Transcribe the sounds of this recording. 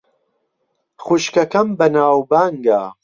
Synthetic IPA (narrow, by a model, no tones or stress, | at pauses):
χuʃkɐkɐmbɐnaːwbaːŋɡa̰ː